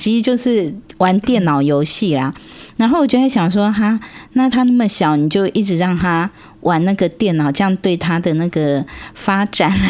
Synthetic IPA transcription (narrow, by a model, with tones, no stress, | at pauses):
t͡ɕʰi˧˥˨jo˥˧ʊʂɻ̩˥˩wa˧˥˦nt̪jɛ˥˩nnɑ˨˩ʊjo˧˥ʊɕi˥˩lɐ˩ɻa˧˥nxo˥˩wɔ˨˩t͡ɕjwʰɕjɑ˨˩ŋʂwɔ˥ɦa˥na˥˩t̪ʰa˥na˥˩mə˨˩ɕjɑ˨˩˦ʊni˨˩t͡ɕjo˥˧ʊʔi˥˩ʈ͡ʂɻ̩˨˦ɻɑ˥˩ŋt̪ʰa˥ | wʔa˨˩nna˥˩ɡə˩t̪jɛ˥˩nɑ˨˩ʊʈ͡ʂɤ˥˧jɑ˥˧ŋt̪we˥˩ɪt̪ʰa˥d̪ə˨na˥˩ɡə˨˩fa˥ʈ͡ʂa˨˩n˦